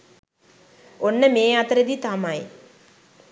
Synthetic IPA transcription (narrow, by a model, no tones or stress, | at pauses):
onːəmeːat̪əɾed̪it̪amaj